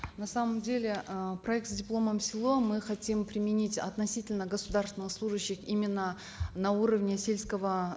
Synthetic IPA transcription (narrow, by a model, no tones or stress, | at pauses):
nɐsaməmdʲelʲɪəprɐɛk̚t̪sdʲɪplˠo̞məmsʲɪlˠo̞mɨxɐtʲimpɾʲɪmʲɪnʲitʲɐ̰t̪nɐsʲitʲɪlʲnəɡəsʊd̪arst̪vɪnɨxslˠuʐəɕːɪximʲɪnːə | nauɾəvnʲɪsʲe̞lʲskəvə